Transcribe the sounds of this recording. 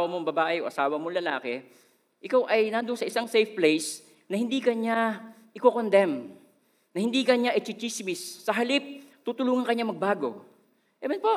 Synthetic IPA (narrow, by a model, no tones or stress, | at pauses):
wɐmoŋbɐbaːʔɛʔoʔɐsaːwɐmoŋlɐla̰ːkɛ | ʔɪkawʔɐjnaːnd̪onsɐʔɪsaŋsɛjfplejs | nɐhɪnd̪iːkɐɲaʔɪkokond̪ɛm | nɐhɪnd̪iːkɐɲaʔɛt͡ʃɪt͡ʃismɪsːɐɦɐlip̚t̪ut̪ʊluːŋɐnkɐɲamɐɡ̚baːɡo̞̰ | ʔɛmɛnpo